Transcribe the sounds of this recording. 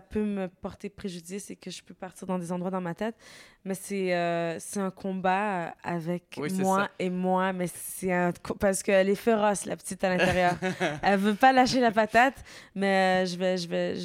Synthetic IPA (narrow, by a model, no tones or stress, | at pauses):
apʰøməpɔʁt̪epχeʒyd̪isekəʒəpøpaʁt̪iːʁd̪ɑ̃d̪ezɑ̃d̪ʁwad̪ɑ̃mat̪ɛt̪mɛsɛøsɛɛ̃kʰɔ̃baøa̰vɛkimwaemwamɛsɛɛ̃kʰɔ̃paʁsə̥kəɛlɛfeʁɔsla̰pə̥t̪it̪alɛ̃t̪eʁjœːʁɛlvøpalaʃelapat̪at̪mɛøʒəvɛʒəvɛ